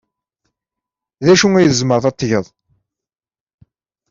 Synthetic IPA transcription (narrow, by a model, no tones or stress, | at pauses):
ðæʃuŋæjəzməɾðˤɑt̪ˤːjəðˤ